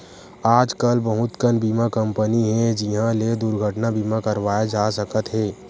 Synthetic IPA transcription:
aːd͡ʒkəlbəɦʊt̪kənbiːmakə̃mpəniɦɛ̃d͡ʒiɦãled̪uɾɡʱəʈnabiːmakəɾʋaːjed͡ʒaːsəkət̪ɦɛː

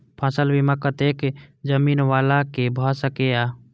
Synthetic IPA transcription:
pʰãːsəlbiməkət̪eːkd͡ʒəmiːnʋaːlakebʱasəkeaː

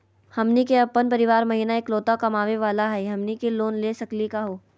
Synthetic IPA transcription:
hɐmnikeɐpːənpɐɾɪʋaːɾmɐɦiːnaeːkloːt̪akɐmaːʋeʋaːlaɦɛɦɐmnikeloːnleːsɐklikaɦoː

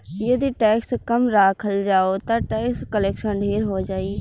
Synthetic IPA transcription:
jəd̪iʈɛːkskəmɾaːkʰəld͡ʒaːoːt̪ãːʈɛːkskəlɛːkʃənɖʱeːɾɦoːd͡ʒaːiː

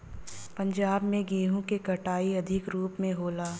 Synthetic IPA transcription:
pɐ̃ɲd͡ʒaːbmẽɡeːɦũkekɐʈaːiɐd̪ʱɪkɾuːpmẽɦoːlaː

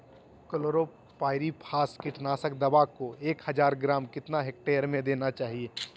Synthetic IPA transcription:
kəloːɾo | paːɪɾipʰaːskɪʈnaːsəkd̪ɐbakoeːkhɐd͡ʒaːɾɡɾaːmkɪt̪naɦek̚ʈeːəɾmẽd̪eːnat͡ʃaːɦieː

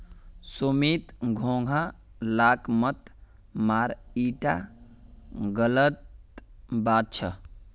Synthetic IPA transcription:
sumit̪ɡʱoŋɡʱa | laːkmət̪ | maːɾiːʈa̰ | ɡələt̪̚ | baːt̪̚t͡ʃʰə

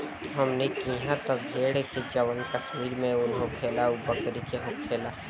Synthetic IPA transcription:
ɦɐmnekiɦãt̪ɐbʱeːɽeked͡ʒɐʋənkəsmiːɾmẽʊnɦõkʰeːlaubəkɾikeɦõkʰeːlaː

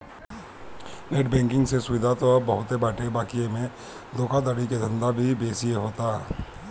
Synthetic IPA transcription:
neːʈ̚bɛ̃ːŋkɪ̃ŋɡsesʊʋɪd̪ʱat̪obəɦʊt̪ebaːʈebaːkiemẽ | d̪oːkad̪aɽiked̪ʱə̃nd̪abʱibeːsieɦoːt̪a

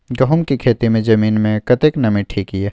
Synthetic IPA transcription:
ɡɐɦʊmkikʰeːt̪imẽd͡ʒɐmiːnmẽkɐt̪eknɐmĩʈʰiːkɦiɦɛː

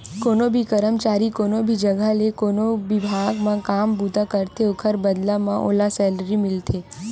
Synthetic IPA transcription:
koːnobʱikəɾəmt͡ʃaːɾikoːnobʱid͡ʒəɡalekoːnoʋɪbʱaɡmãkaːmbud̪ʱakəɾt̪ʰeokʰəɾbəd̪lamãʔo̰ːlasɛlɾimɪlt̪ʰeː

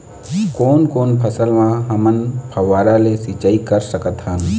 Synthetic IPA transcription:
kɔːnkoːnpʰəsəlmãɦɐmənpʰɐʋaːɾalesiːt͡ʃaikəɾsəkət̪ɦən

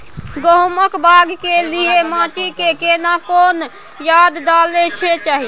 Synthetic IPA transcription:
ɡoɦməkbʱaɡkeliemãʈikekenakon | jad̪ːalet͡ʃʰɛt͡ʃaɦi

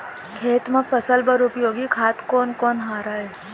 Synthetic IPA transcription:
kʰeːt̪məkfəsəlbəɾʊpjoːɡikʰaːt̪koːnkɔːnɦaːɾaːɦe

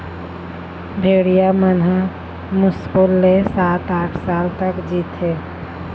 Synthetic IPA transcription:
bʱeɽijamənɦa | muskulːesat̪aʈʰsalt̪əkd͡ʒit̪ɦe

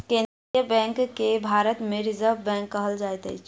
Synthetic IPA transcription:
ken | əbɛ̃ŋkkːebʱaɾət̪meɾizəɾbbɛ̃ŋkːəɦəld͡ʒajt̪ə̰jt͡ʃʰ

